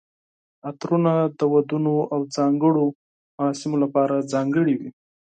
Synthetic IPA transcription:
at̪ɾunad̪əwad̪unoawd͡zɑŋɡəɽo | maɾɑsɪmolapɑɾad͡zɑŋɡəɽiwi

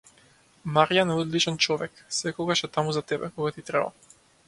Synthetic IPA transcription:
maɾijanɛɔd̪lit͡ʃɛnt͡ʃɔvɛksɛkɔɡaʃɛt̪amuzat̪ɛbɛ̰kɔɡat̪it̪ɾɛba̰

